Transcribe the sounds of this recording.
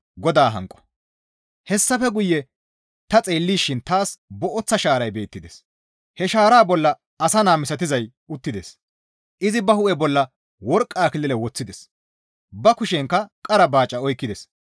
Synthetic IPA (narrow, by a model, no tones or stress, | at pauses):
ɡɔd̪aːɦɐ̰ŋkʼːɔ̥ | hɛsːɐfɛɡʊjːɛ | t̪ɐt͡sʼe̞ːlːiːʃːɪnt̪aːsbɔʔɔt͡sːɐʃaːɾɐjbe̞ːt̪ːɪd̪es | hɛʃaːɾaːbɔlːɐ | ɐsɐnaːmɪsɐt̪ɪzɐj | ʊt̪ːɪd̪es | ʔɪzɪbɐhʊʔɛbɔlːɐ | wɔɾkʼːaːkɪlɪlɛwɔt͡sːɪd̪ɛs | bɐkʊʃɛŋkːɐkʼɐɾɐbaːt͡ʃʼːɐɔjkːɪd̪ɛs